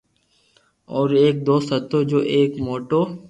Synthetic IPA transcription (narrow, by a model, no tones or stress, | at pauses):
ɔːɾeːk̚d̪oːst̪ɐt̪od͡ʒoːʔeːkmoːʈoː